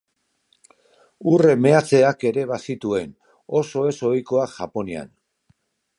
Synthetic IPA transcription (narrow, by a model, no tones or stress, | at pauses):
ure̞me̞at͡se̞ake̞ɾe̞βasit̪ue̞n | o̞so̞e̞so̞jko̞aʝapo̞nia̰n